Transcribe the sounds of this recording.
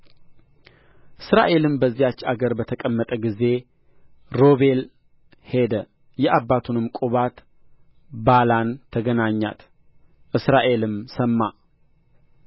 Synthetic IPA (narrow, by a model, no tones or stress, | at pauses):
ʔɨsɾa̰ʔe̞lɨmbəzːijat͡ʃːaɡəɾbət̪ʰəkʼəmːət̪ʼəɡize̞ | ɾo̞βe̞l | he̞d̪ə | jɛʔabːat̪ʰunɨmkʼuβat̪ | balant̪ʰəɡənaɲːa̰t̪ | ʔɨsɾaʔe̞lɨmsəmːa